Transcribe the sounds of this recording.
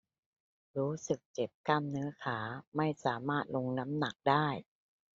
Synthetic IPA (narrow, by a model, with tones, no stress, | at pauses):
ɾuː˦˥sɯ˨˩k̚t͡ɕe˨˩p̚ka˧˩mnɯː˦˥ɐkʰaː˩˦ma˥˩jsaː˩˦maː˥˩t̪̚lo˧ŋna˦˥mna˨˩k̚daː˥˩j